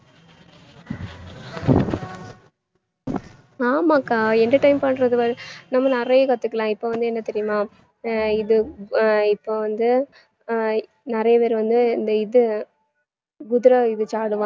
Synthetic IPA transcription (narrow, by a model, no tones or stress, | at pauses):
aːmaːkːaːɛnd̪ɐʈɐɪmpɐɳːɾɐðɯʋɐɾɯnɐmːɐnɪɾɐjɐkɐt̪ːɯkːɐlãːɪpːoːʋɐnd̪ɯɛnːɐt̪ɛɾɪjʊmaː | ɪðɯ | ɪpːoːʋɐnd̪ɯ | nɪɾɐjɐpeːɾʋɐnd̪ɯɪnd̪ɐɪðɯ | ɡʊðɪɾɐɪðɯt͡ʃaːɽɯʋãː